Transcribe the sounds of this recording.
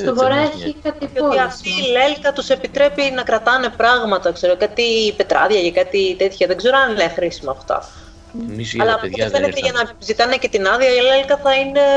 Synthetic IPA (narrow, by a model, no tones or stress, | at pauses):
st̪ovoɾɐçikɐt̪itoiɐft̪iːle̞lkɐt̪use̞pit̪ɾe̞pinɐkɾɐt̪ɐne̞pɾɐɣmɐt̪ɐkse̞ɾokɐt̪ipe̞t̪ɾɐ̰ðʝɐʝɐkɐt̪it̪e̞t̪çɐðeɡze̞ɾoɐninexɾisimoːft̪ɐ̰ | ɐlɐːpuoðefenet̪eʝɐnɐzit̪ɐnece̞t̪inɐðiɐiilelkɐθɐine̞